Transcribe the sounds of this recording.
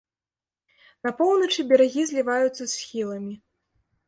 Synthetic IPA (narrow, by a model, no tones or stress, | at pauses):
nɐpɔwnɐt͡ʂɨbʲaɾaɣʲizʲlʲivajut̪sːɐsʲxʲilˠɐmʲi